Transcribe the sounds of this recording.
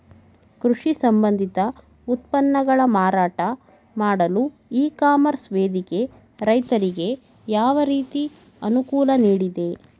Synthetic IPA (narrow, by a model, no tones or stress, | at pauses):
kɾuʂisɐmbɐnd̪ʱit̪ɐ | ut̪̚pɐnːɐɡɐɭɐmaːɾaːʈɐ | maːɽɐlu | iːkaːmɐɾsʋeːd̪ike̞ | ɾɐjt̪ɐɾiɡe̞ | jaːʋɐɾiːt̪i | ɐnukuːlɐniːɽid̪e̞